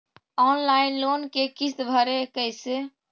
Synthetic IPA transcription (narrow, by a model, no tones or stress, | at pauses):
ɔnlainlonkekist̪bʱəɾekəɪse